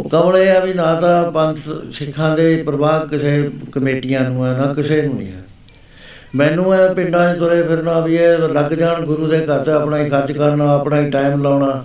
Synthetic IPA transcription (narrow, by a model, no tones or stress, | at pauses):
kəmleːɛbiːnãːt̪ãːpənt̪ʰʃɪkʰːãːd̪eːpɾəʋaːkɪseːkəmeːʈɪjãːnũːɛːnãːkɪseːnũːḭːɛ̰ː | mɛ̃ːnũːɛːpɪ̃ɳɖãːt͡ʃt̪ʰʊɾeːpʰɪɾnãːbiːɛːləɡd͡ʒaːɳɡʊɾuːd̪eːkət̪əpnaːiːkʰəɾt͡ʃkəɾnãːəpɳaːĩːʈaːimlaːɳaː